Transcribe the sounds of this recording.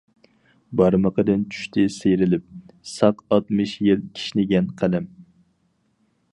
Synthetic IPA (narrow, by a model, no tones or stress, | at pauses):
bɑɾməqəd̪ɪnt͡ʃʰy̥ʃt̪ʰɪsejɾɪlɪp̚sɑqɑt̪mɨʃjilkʲʰi̥ʃnɪɡʲɛnqʰælɛm